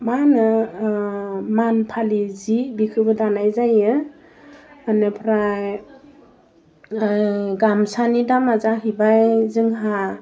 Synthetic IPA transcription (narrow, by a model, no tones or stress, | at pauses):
manɯ | manpʰalizibikʰɯbɯdanajzajɯ | anepʰɾaj | ɡamsanidamazaɦibajzɯŋɦa